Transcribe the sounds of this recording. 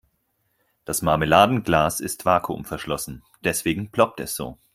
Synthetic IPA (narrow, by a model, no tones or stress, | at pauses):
d̥asmaɐməlaːdn̩ɡlaːsɪstv̥aːkʰʊ̰mfɛɐʃlɔsn̩ | d̥ɛsv̥eːɡŋ̩pʰl̥ɔp̚tɛsz̥o̰ː